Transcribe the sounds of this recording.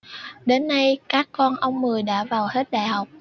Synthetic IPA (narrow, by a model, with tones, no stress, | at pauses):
ɗe˨˧nːa˧jkaː˦˥kːɔ˧nʔə˧wŋ͡mmɨ˨˩əjɗa̰ː˧˥vaː˨˩whe˦˥t̚ɗa̰ː˧˨jha˨˩wk͡p̚